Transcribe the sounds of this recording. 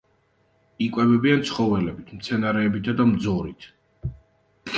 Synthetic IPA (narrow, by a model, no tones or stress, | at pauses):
ikʼwɛbɛbiant̪sʰχɔvɛlɛbit̪ʰmt̪sʰɛnaɾɛːbit̪ʰad̪amd̪zɔɾḭt̪ʰ